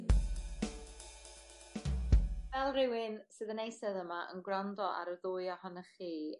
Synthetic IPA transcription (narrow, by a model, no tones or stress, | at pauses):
vɛlˠrɪwɪnsɨðənejsɛðəmaʔə̰nɡɾandɔʔa̰ɾəðʊːɨahɔnəχiː